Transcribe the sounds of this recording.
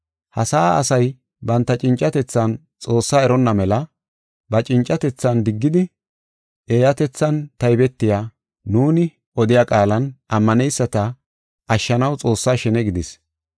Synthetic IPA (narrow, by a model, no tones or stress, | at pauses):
hɐsaːɐ̰sɐj | bɐnt̪ːɐt͡ʃʼɪnt͡ʃʼːɐt̪ɛt͡sːɐn | t͡sʼo̞ːsːaːɛɾɔnːɐmɛlɐ | bɐt͡ʃʼɪnt͡ʃʼːɐt̪ɛt͡sːɐnd̪ɪɡːɪd̪ɪ | ʔeːjɐt̪ɛt͡sːɐnt̪ɐjɪbɛt̪ːɪjaː | nuːnɪ | ʔɔd̪ɪjaːkʼaːlɐnʔɐmːɐnɛjsːɐt̪ɐ | ʔɐʃːɐnɐwt͡sʼo̞ːsːaːʃɛnɛɡɪd̪ɪs